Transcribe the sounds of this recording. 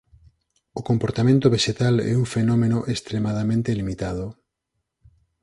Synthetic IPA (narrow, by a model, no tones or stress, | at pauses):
okompoɾt̪amẽnt̪oβeʃet̪alɛ̰uŋfenomenoʔest̪ɾemaðamẽnt̪elimit̪að̞o